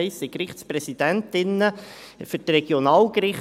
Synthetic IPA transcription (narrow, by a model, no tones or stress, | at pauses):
ɪsɪkɾɪχtspɾɛsid̥æntɪnːə | fɵɾtɾɛɡ̥jonɑːlkrɪχ